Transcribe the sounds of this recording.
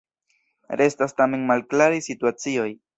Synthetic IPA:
ɾe̞stastame̞nmalklaɾisituat͡sio̞j

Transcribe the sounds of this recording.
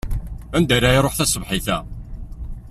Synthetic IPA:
ænd̪æɾæjɾˤoħθæsəvħiθæ

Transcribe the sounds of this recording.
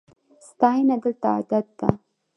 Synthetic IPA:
st̪ɑinad̪əlt̪aa̰d̪at̪̚ːa̰

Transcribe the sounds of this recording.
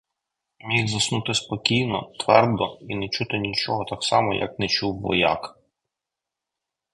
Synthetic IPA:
mʲiɣzɐsnut̪ɪspɔkʲijnɔt̪ʋɛrd̪ɔinɛt͡ʃut̪ɪnʲit͡ʃɔɦɔt̪ɑksɑmɔjʔɐ̰knɛt͡ʃuwʋɔ̰jɑ̰k

